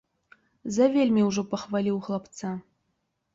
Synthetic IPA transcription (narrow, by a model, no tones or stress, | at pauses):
zɐvʲelʲmʲiuʐopɐxvalʲiwxlˠapt̪t͡sa